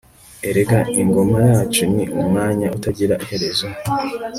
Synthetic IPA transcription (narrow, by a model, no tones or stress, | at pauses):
e̞ɾeɡaiŋɡo̞majaːt͡ʃuniʔumŋaːɲaʔutaɟiɾaʔihe̞ɾe̞zo